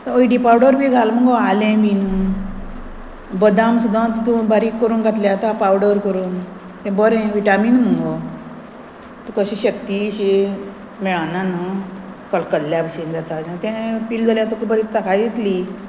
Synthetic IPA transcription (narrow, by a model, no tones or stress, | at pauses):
t̪əəiɖipawɽəɾbʱiɡʱalm̤əŋɡoalẽbinu | bəd̪ãmsud̪ʱãt̪t̪ũbaɾiːkːəɾuːnɡʱat̪ljat̪apawɽəɾkəɾuːn | t̪ɛ̃bəɾẽʋiʈamiːnm̤əŋɡɔ | t̪okəɕiɕəkt̪iɕi | mɛɭananə | kəlkəɽljabəɕind͡zat̪ad͡ʑat̪ɛ̃pild͡zaljat̪okibəɾit̪ːakʰad̪et̪li